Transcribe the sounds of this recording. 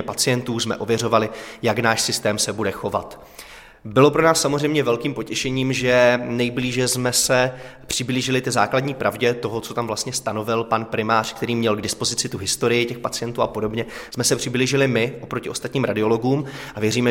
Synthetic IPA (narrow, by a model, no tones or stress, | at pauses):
ɛpat͡sɪjɛnt̪uːsmɛ̰ʔo̞vjɛro̞valɪjaɡnaːʃsɪst̪ɛːmsɛbudɛxo̞va̰t̪ | bɪlo̞pɾo̞naːsːamozr̝ɛjmɲɛvɛlkiːmpo̞cɛʃɛɲiːmʒɛnɛjbliːʒɛzmɛsɛpr̝̥ɪbliːʒɪlɪt̪ɪzaːkladɲiːpɾʔavɟɛt̪o̞ɦot͡so̞t̪amvlast̪ɲɛst̪ano̞vɪlpanpɾɪmaːr̥kt̪ɛɾiːmɲɛlɡdɪspo̞zɪt͡sɪt̪uɦɪst̪o̞ɾɪjɪcɛxpat͡sɪjɛnt̪uːapo̞do̞bɲɛsmɛsɛpr̝̥ɪbliːʒɪlɪmɪʔopɾocɪo̞st̪at̪ɲiːmɾadɪo̞lo̞ɡuːmʔavjɛɾiːmɛ